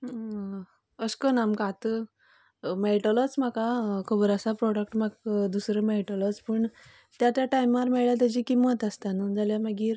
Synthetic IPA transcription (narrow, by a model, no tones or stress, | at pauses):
əskənamkat̪ə | meɭʈələt͡sm̤akakʰəbəɾəsapɾɔɽəkʈmaɡd̪usɾəmɛɭʈələt͡spəɳ | t̪jat̪jaʈajmaɾmɛɭjat̪̬əd͡ʑiːkimət̪əst̪anəd͡zaljaməɡiːɾ